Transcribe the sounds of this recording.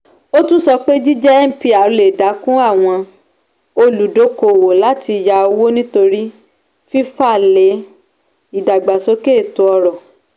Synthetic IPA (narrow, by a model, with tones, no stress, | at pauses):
o˦tũ˦sɔ˧k͡pe˦d͡ʒi˦d͡ʒɛ˦ɛ˦m̩˦pi˦a˨ɾle˨da˨˦kũ˦a˦˨w̃ɔ̃˧ | o˧lu˨do˨˦ko˨wo˨la˨˦ti˧ja˧o˧wo˦nĩ˦to˧ɾi˦ | fi˦fa˦˨le˨˦ | i˨da˨ɡ͡ba˨so˦ke˦˨to˨ɔ˧ɾɔ˨